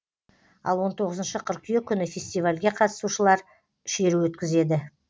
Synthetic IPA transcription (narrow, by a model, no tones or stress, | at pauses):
ɑ̰lˠwo̞nt̪ʰo̞ʁəzənʃəqʰəɾqʲʰʏjekʲʰʏnɪfʲe̞sʲt̪ijvalʲɡʲe̞qʰɑt̪əsuʃəlˠɑɾ | ʃe̞ɾuwɵt̪kʲɪze̞d̪ɪ